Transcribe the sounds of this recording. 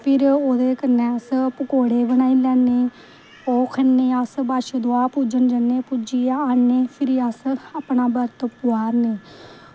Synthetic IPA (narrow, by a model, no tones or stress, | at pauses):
pʰɪɾoːd̪eːkəɾneːəspəkoːɽeːbənaːiːlɛːnːeː | oːkʰənːeːəsbaːʃed̪oaːpuːd͡ʒənd͡ʒənːeːpud͡ʒiːaːnːeːpʰɪɾiːəsapnaːbəɾt̪pʊaːɾneː